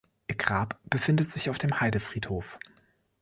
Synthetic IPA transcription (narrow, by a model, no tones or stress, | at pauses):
ʔɪɡ̥ʁaːpb̥əfɪndətz̥ɪçaʊfd̥eːmhaɪdəfʁ̥iːthoːf